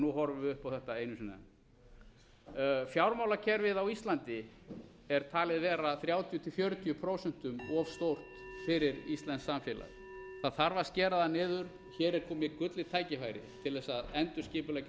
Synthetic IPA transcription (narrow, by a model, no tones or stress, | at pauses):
nuɦɔɾvʏvɪʏhpawθɛht̪aejnʏms̬ina̰ | fjawɾmawlacʰɛɾvɪðawist̪lant̪ɪ | ɛɾ̥t̪ʰaːlɪðvɛːɾaθɾjaːwt̪ʰjʏt̪ʰɪlfjœːɾʏt̪ʰiʏpʰɾowsɛn̥t̪ʏmɔv̥st̪owr̥t̪fɪɾɪɾist̪lɛnsːamfjɛːla̰ð | θaðθaɾvascɛːɾaðanɪːðʏɾ̥ | çɛːɾɛɾ̥kʰɔːmɪkʏt̪lɪt̪ʰaːjcɪfaːjɾɪ̰t̪ʰɪlðɛsːaðɛnt̪ʏ̥scɪːpʏlɛca